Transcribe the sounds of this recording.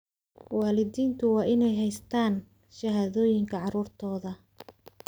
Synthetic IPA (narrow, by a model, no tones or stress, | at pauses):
wɑːlɪðiːnt̪ʰʊwɑːʔɪnɛjɦɛjst̪ʰaːn | ʃɐɦaːðɔːjɪŋkʰɐʕɑɾuːrt̪ʰɔːðɐ